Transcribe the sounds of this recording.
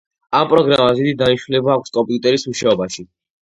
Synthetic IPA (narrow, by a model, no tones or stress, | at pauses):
ampʼɾɔɡɾamazid̪id̪aniʃilɛbaːkʷʰskʼɔmpʼjut̪ʼɛɾismuʃaɔbaʃi